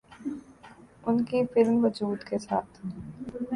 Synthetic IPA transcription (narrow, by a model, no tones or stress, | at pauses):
ʊnkifɪlmʋɐd͡ʒuːd̪kesaːt̪ʰ